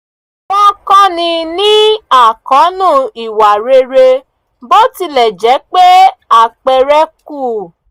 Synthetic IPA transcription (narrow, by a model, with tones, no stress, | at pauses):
bɔ˦kɔ̃˦nĩ˧nĩ˦a˦˨kɔ̃˨˦nũ˦˨i˨wa˨ɾe˧ɾe˧ | bo˦ti˧lɛ˨d͡ʒɛ˨˦k͡pe˦a˨k͡pɛ˨ɾɛ˦ku˦˨